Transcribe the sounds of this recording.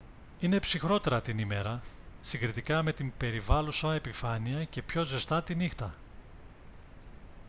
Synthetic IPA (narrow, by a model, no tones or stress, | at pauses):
ine̞psixɾo̞t̪e̞ɾɐt̪inime̞ɾɐ | siŋɡɾit̪ikɐme̞t̪imbe̞ɾivɐlusɐepifɐniɐce̞pço̞ze̞st̪ɐt̪inixt̪ɐ